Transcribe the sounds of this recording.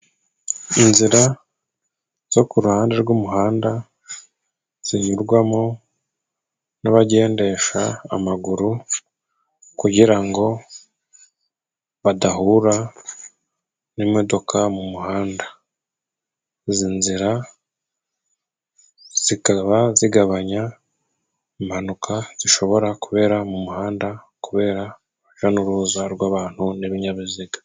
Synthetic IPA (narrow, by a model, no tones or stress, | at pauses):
inziɾa | z̥o̞kuɾuhaːnde̞ɾɡumuɦaːnda | z̥iɲuɾɡwamo | naβaɟe̞ːnde̞ʃaːmaɡuɾu | kuɟiɾaŋɡo̞ | βadaɦuɾa | nimo̞do̞kʰamumuhaːnda | zinziɾa | z̥ikaβaziɡaβaɲa | imhanukʰaz̥iʃo̞βo̞ɾakuβe̞ːɾamumuhaːnda | kuβe̞ːɾa | uʒanuɾuzaɾɡwaːβaːn̥huneβiɲaβiziɡḁ